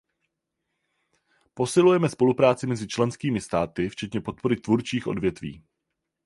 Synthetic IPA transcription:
po̞sɪlujɛmɛspo̞lupɾaːt͡sɪmɛzɪt͡ʃlɛnskiːmɪst̪aːt̪ɪft͡ʃɛt̪ɲɛpo̞t̪̚po̞ɾɪt̪vuɾt͡ʃiːxʔo̞dvjɛt̪vḭː

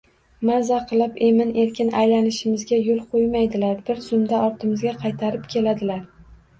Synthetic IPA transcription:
mazaqʰɨlˠɪpe̞mɪne̞ɾkʲʰɪnajlanɪʃɪmɪzɡʲajolˠqʰojmajd̪ɪlaɾbɪɾsʊmd̪aʔɒɾt̪ʰɪmɪzɡʲaqʰɑjt̪ʰaɾɪpkʲʰe̞lad̪ɪlaɾ

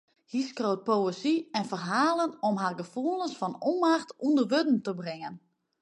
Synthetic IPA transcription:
hiskrowt̚powəsiɛnfərɦaːlˠənomɦarɡəfulˠənsfɔnomaxtundərʋødn̩təbrɪŋən

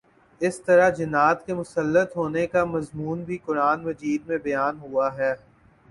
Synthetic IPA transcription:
ɪst̪ɐɾad͡ʒɪnaːt̪kemʊsəlːət̪ɦoːnekamɐzmuːnbʱikʊɾaːnmɐd͡ʒiːd̪̚mẽbɐjaːnɦuaɦɛː

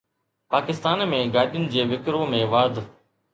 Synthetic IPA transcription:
paːkɪst̪aːnmẽːɡaːɗijʊnɪ̆d͡ʑeːʋɪkɾõːmẽʋaːd̪ʱ

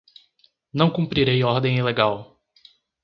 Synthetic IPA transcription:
nɐ̃w̃kũpɾiɾejɔɾd̪ẽj̃ileɡaw

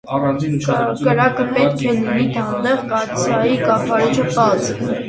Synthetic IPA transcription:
kəɾɑkəpɛt̪kʰɛlinid̪ʰɑnd̪ɛʁkɑɾt͡sʰjɑjikɑχʰɑɾit͡ʃʰəpɑt͡s

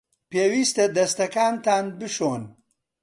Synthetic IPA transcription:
peːwiːst̪ed̪ɐst̪ɐkaːnt̪aːnbɨʃoːn

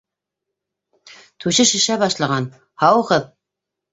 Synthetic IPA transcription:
t̪ʰʉʃɘʃɘ̆ʃæbɑʃlˠɑʁɑn | hɑwʁɤð

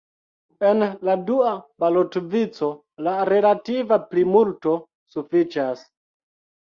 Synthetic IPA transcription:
enladuabalotvit͡so̞ | laɾe̞lativaplimulto̞ | sufit͡ʃas

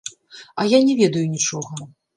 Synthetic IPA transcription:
ɐjanʲɛvʲɛd̪ɐjunʲit͡ʂɔɣɐ

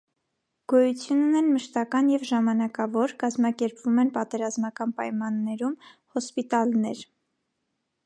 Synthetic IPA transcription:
ɡ̥ɔjut͡sʰjunːɛnməʃt̪ɑkɑnjɛvʒɑmɑnɑkɑvɔɾkɑzmɑkɛɾpvumɛnpɑt̪ɛɾɑzmɑkɑnpɑjmɑnːɛɾumhɔspit̪ɑlnɛɾ

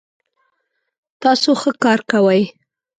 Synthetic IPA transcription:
t̪ɑsoxəkɑɾkawəj

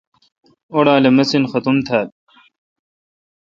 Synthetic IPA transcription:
oɽaːlemɐsinxɐt̪umt̪ʰaːl

